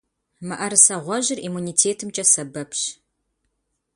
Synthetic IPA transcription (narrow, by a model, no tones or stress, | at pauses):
mɨʔɐɾɨsɐʁʷɔʑɪrʔimuniːtʰeːtʰɨmt͡ʃʼɐsɐbɐpʰɕ